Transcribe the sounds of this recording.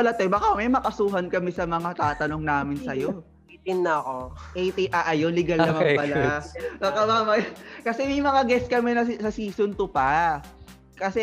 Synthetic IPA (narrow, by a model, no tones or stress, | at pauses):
ɐlat̪ɛbɐkamɐjmɐkɐsuːɦɐnkɐmɛsɐmɐŋat̪aːt̪ɐno̞ŋnaːmɪnsɐjo̞ | t̪inɐɐkoʔejt̪iʔaʔɐjonlɪɡalnɐmɐpɐlabɐkamaːmɐjkɐsɛmɐjmɐŋaɡɛskɐmɛnɐsɐsiːsʊnt̪ʊpɐ | kɐsɛ